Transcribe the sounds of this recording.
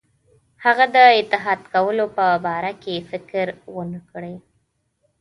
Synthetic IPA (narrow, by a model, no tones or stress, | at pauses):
haɣad̪əɪt̪ɪɦɑd̪kawəlopəbɑɾakefɪkɾwənəkɽəj